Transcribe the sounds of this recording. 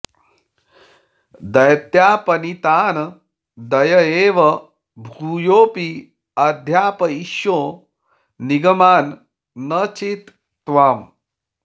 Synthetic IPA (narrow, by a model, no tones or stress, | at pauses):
d̪ɐjɐt̪jaːpɐnit̪aːn | d̪ɐjɐeːʋɐ | bʱɾuːjoːpi | ɐd̪ʱjaːpɐiʃjoː | niɡɐmaːnː | ɐt͡ʃit̪ː | ʋaːm